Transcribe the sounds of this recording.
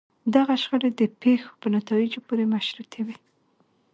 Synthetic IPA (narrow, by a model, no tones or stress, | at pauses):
d̪aɣaʃxəɽed̪əpexo̥pənat̪ɑid͡ʒopoɾemaʃɾut̪ʰewi